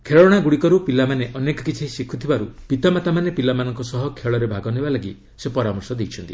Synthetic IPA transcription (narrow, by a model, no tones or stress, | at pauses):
kʰeɭɔɽ̃aɡuɽikɔɾupilamaneʔɔnekɔkit͡ʃʰiɦisikʰːut̪ʰibaɾupit̪amat̪amanepilamanɔŋkɔsɔɦɔkʰeɭɔɾebʱaɡɔnebalaɡi | sepɔɾamɔɾsɔd̪ejt͡ʃʰɔnt̪i